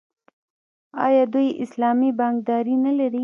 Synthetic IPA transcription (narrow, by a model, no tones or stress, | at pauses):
ɑ̰jɑd̪ujɪ̰slɑmibɑŋk̚d̪ɑɾinalaɾi